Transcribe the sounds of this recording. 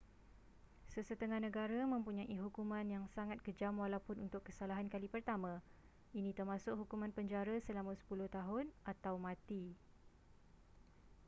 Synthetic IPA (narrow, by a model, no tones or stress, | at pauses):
səsət̪əŋãhnə̃ɡaɾamə̃mpuɲaʔiɦukumãnjaŋsaŋat̪̚kəd͡ʒamwalawpʊnunt̪ʊkːəsalaɦankalipərt̪amã | inĩt̪ərmãsʊk̚hukumãnpəɲd͡ʒaɾasəlamusə̥pulʊht̪aɦʊnʔat̪awmãt̪i